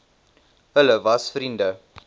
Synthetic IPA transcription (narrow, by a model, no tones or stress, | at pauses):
ɦələvɐsfrində